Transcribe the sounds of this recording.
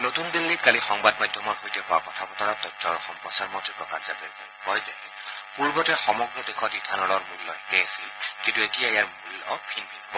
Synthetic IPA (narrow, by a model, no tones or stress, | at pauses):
not̪und̪ilːitkalixɔŋbad̚majdʱjɔmɔɹxojtɛɦɔwakɔtʰapɔtʰɔɹatɔjtːɔɹɔxɔmpɔsaɹmɔtɹipɹɔkazabɛ | kɔjzɛ | puɹbɔtɛxɔmɔɡɹɔd̪exʰɔtidʱanɔlɔɹmulːɔɦikɛasilkĩntuetijaejaɹmulɔ̰pʰinbʰʱinabɔ